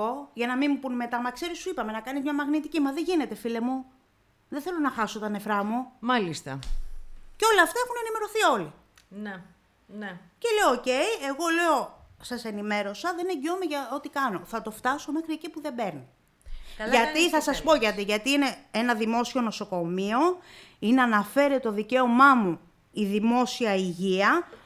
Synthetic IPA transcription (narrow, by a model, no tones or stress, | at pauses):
o̞ʝɐnɐmimupunme̞t̪ɐmɐkse̞ɾisuipɐme̞nɐkɐnizmɲɐmɐɣnit̪icimɐðe̞ʝine̞t̪e̞file̞mu | ðeθe̞lo̞nɐxɐso̞t̪ɐne̞fɾɐmumɐlist̪ɐ | ceo̞leɐft̪ɐexune̞nime̞ɾo̞θio̞li | n | nce̞le̞ooce̞ie̞ɣo̞le̞o̞sɐse̞nime̞ɾo̞sɐðe̞neɲɟiomeʝɐo̞t̪ikɐno̞θɐt̪o̞ft̪ɐso̞me̞xɾie̞cipuðe̞be̞ɾni | ʝɐt̪iθɐsɐspo̞ʝɐt̪iʝɐt̪iine̞enɐðimo̞sio̞no̞so̞ko̞mio̞ineɐnɐfe̞ɾet̪o̞ðice̞o̞mɐmu | iðimo̞siɐiʝiɐ